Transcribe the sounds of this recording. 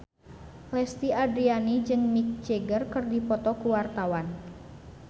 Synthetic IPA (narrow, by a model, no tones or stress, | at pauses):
lɛst̪iadɾianid͡ʒɨŋmik̚t͡ʃeɡərkɨrdipɔt̪ɔkuwart̪awan